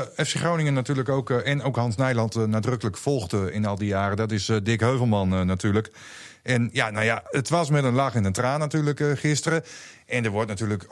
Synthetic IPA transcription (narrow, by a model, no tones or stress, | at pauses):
ɛfseχrownɪŋənatyːɹləkowkɛnowkhɑnsnɛjlˠɑntnadrɵkələkfɔlˠɣdəɪ̰nɑlˠdijaːrədɔtɪsdɪkɦøɥvəl̩ˠmɑnnatyːɹlək | ʔɛnjanowjaətʋɑsmɛtənlaχɪnəntraːnːatyːɹləkχɪstərə | ɛndəɹʋɔɹtnatyːlək